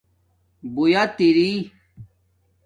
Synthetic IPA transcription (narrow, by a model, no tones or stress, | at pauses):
bujat̪iɾi